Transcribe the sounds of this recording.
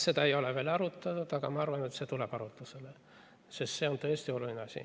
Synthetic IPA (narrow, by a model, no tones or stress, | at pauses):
se̞t̪ɑejo̞leve̞ːlɑɾut̪ːˑɑt̪ut̪ɑɡ̥ɑmɑɑrvɑnet̪set̪uleb̥ɑɾut̪ːˑusele | sist̪se̞ont̪ɤːst̪io̞lulineɑsʲḭ